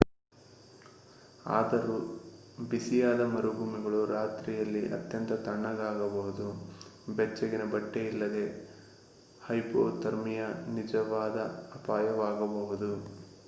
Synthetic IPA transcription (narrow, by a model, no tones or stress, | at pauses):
a̰ːd̪ɐɾu | bisijaːd̪ɐmɐɾuɡuːmiɡɐɭuɾaːt̪ɾijɐlːiʔɐ̰t̪jɐnt̪ɐt̪ɐɳːɐɡaːɡɐbɐɦud̪ubɛt͡ʃːɐɡinɐbɐʈːeilːɐd̪e̞ | hɐjpoːt̪ɐɾmijɐnid͡ʒɐʋaːd̪ɐːpaːjɐʋaːɡɐbɐɦud̪u